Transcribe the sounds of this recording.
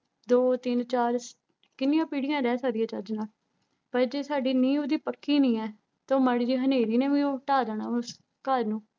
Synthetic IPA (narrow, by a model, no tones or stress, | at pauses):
d̪oːt̪ɪnt͡ʃaːɾ | kɪnːɪjãːpiːɽɪjãːɾɛːsaːɾɪjãːt͡ʃəɾd͡ʒnaːl | pəɾd͡ʒeːsaːɖiːnĩːoːd̪iːpəkːiːnĩːɛː | t̪oːməɽd͡ʒiːɦəneːɾiːneːʋiːoːʈaːɾəːnaːʊs | kəɾnũː